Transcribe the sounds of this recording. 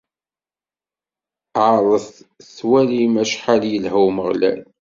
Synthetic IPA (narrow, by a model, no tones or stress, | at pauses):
ʕɾˤəθθwælimæʃħaljəlɦæwməʁlæ̰n